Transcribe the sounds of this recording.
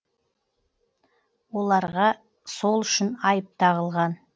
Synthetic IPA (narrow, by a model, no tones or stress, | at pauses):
wo̞lˠɑɾʁɑ | so̞lˠʏʃɪnɑjəp̚t̪ɑʁəlˠʁɑn